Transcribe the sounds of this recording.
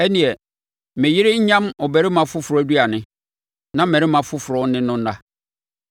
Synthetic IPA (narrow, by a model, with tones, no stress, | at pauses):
ɛ˦nĩ˨ɛ˨ | mɪ̃˨jɪ˦ɾɪ˦ɲ̩˦ɲã˦mɔ˨bɛ˦ɾɪ˦mã˨fʊ˦fʊ˨ɾɔ˨˦æ˦du˦a˨nɪ̃˦ | nã˦mɛ̃˨ɾɪ˦mã˨fʊ˦fʊ˨ɾɔ˨˦nɪ̃˦nʊ̃˦n̩˦na˦